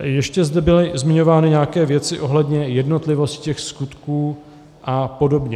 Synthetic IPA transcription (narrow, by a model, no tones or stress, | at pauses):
jɛʃcɛzdɛbɪlɪzmɪɲo̞vaːnɪɲaakɛːvjɛt͡sɪʔo̞ɦlɛdɲɛjɛdno̞t̪lɪvo̞stccɛxskut̪kuː | ʔapo̞do̞bɲɛ